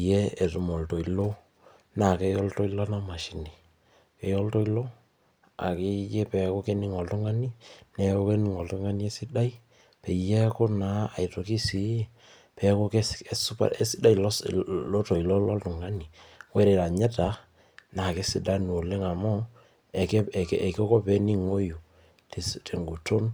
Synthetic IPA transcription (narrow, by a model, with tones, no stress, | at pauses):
jɛ˦e˨tu˨mɔ˨lto˨i˨lo˦ | na˨kɛ˦jɔ˦lto˦i˦lɔ˦na˦ma˨ʃi˨ni˨ | kɛ˨jɔ˦lto˦i˦lo˦ | a̰˨kɪ˦je˦pɛ˨ko˦ke˦ni˦ŋɔ˨ltʊ˦ŋa˦ni˦nɛ˨ko˦ke˦ni˨ŋɔ˨ltu˦ŋa˦ni˦e˦sɪ˦da˦i˦ | pɛ˨jɛ˦ko˦na˨˦a̰˨to˨ki˦si˨˦ | pɛ˨ko˦ke˦ɛ˦su˦pa̰˨ɛ˦sɪ˦da˦ji˨lɔ˦lɔ˦tɔ˨i˨lɔ˦lɔ˦ltʊ˨ŋa˦ni˨wɛ˦ɾe˨ɾa˨ɲɛ˦ta˨ | na˨ke˦sɪ˦da˦nu˨o˨le˦ŋa˨mɔ˦˨ | kke˨kɔ˦kɔ˦pɛ˦ni˦ŋo˦ju˨ | te˨stʰe˨ŋɡu˨to˦n